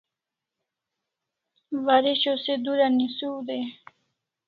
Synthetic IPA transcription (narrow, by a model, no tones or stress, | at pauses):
vaɾiɕosed̪uɾanisuwd̪e